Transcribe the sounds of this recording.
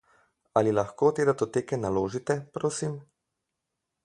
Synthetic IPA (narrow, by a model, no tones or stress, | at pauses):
alilaxkoːt̪eːd̪at̪ot̪eːkɛnaloːʒit̪ɛpɾoːsim